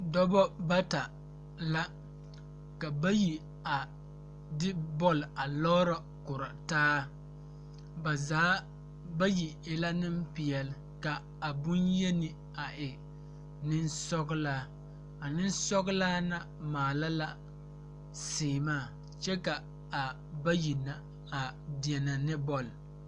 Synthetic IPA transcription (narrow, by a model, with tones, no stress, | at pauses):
dɔ˦bɔ˦ba˦ta˨ | la˦ | ka˨ba˦ji˨ | a˨ | dɪ˦bɔ˦˨la˨lɔ˦ɾɔ˨ | kʊ˨ɾa˨taː˦ | ba˨zaː˨˦ | ba˦ji˨ɪ˨la˦nɪ˦mpɪ˨ɛ˨lɪ˦ | ka˨ | a˨bʊ˦njɛ˦nɪ˨ | a˨ʔɪ˨ | nɪ˦nsɔ˦ɡlaː˦ | a˨nɪ˦nsɔ˦ɣʊ˦laː˦na˨ | maː˨la˦la˦ | sɪː˨maː˦˨ | t͡ʃɛ˦ka˨ | a˨ | ba˦ji˨na˨ | a˨di˨ɛ˨na˨nɪ˦bɔ˦l